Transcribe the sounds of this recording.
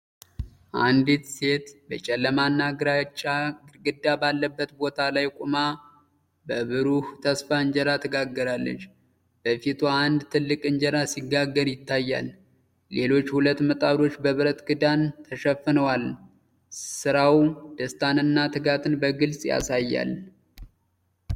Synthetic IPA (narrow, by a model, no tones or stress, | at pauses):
ʔand̪it̪se̞t̪bət͡ʃʼɛlːəmanːaɡɾat͡ʃʼːaɡɨd̪ːabalːəbːət̪bo̞t̪ʰalajkʼuma | bəβɨɾuht̪ʰəsfaɨɲd͡ʒɛɾat̪ʰɨɡaɡːəɾalːə̰t͡ʃː | b̥əfit̪ʰoand̪t̪ʰɨlːɨkʼɨɲd͡ʒəɾasiɡːaɡːəɾjɪt̪ʰːajːa̰lː | e̞lo̞t͡ʃːhulət̪ːmət̪ʼaɾo̞t͡ʃːbəβɨɾət̪ɡɨd̪ant̪ʰəʃəfːɨnəwal | sɨɾawd̪̥əst̪ʰanɨnːat̪ʰɨɡat̪ʰɨnbəɡɨlsʼja̰sajːa̰l